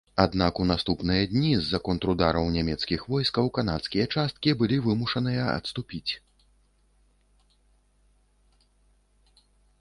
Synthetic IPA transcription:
ad̪nakunast̪upnɨjɐd̪ʲnʲizːɐkɔnt̪ɾud̪aɾɐwnʲamʲɛt̪skʲixvɔjskɐwkan̪at̪skʲijɐt͡ʂast̪̚kʲibɨlʲivɨmuʂɐnɨjɐɐ̰t̪st̪upʲit͡sʲ

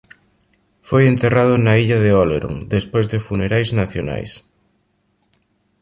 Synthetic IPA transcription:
fojent̪erað̞ʊnaiʎɐðeoleɾo̰ŋd̪espojzðɪfuneɾajznaθjona̰js

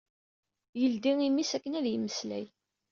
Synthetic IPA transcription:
jəld̪iŋimːisækːənæðjəmːəslæ̰j

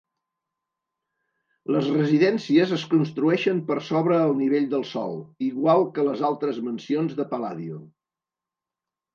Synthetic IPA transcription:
ləzrəziðɛnsiəzəskunst̪ɾuɛʃəmpəɾsoβɾəːlˠniβ̞eʎd̪əlˠsɔ̰lˠiɣwalˠkələzalˠt̪ɾəzmənsionzðəpəla̰ðiṵ

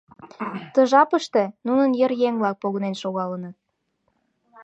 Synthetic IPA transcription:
t̪ə̆ʒɑpəʃt̪ĕnunənjəɾjeŋβlɑk̚poɣənenʃoɣɑlənɤ̆t̪

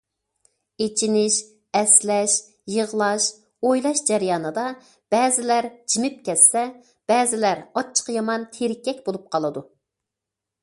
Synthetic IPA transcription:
et͡ʃʰinɪʃ | ɛslɛʃ | jəʁlˠɑʃ | ojlˠɑʃd͡ʒɛɾjɑːnɨd̪ɑ | b̥ɛːzɪlæɾd͡ʒimɪp̚kʲʰɛsːɛ | b̥ɛːzɪlæɾɑt͡ʃʰːə̥qjɑmɑnt̪ʰeɾɪkʲːɛk̚ʲbolˠup̚qʰɑlˠɨd̪u

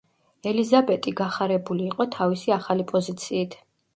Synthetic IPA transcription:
ɛlizabɛt̪ʼiɡaχaɾɛbuliːqʼɔt̪ʰavisiaχalipʼɔzit̪sʰiːt̪ʰ

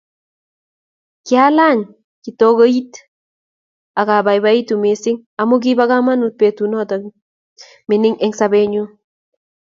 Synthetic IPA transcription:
kjalaŋ | kitokoit | akabajbaitumesɪŋamuk̬ibakamanut̚petunɔtɔ | mɪnɪŋɛŋsabeɲu

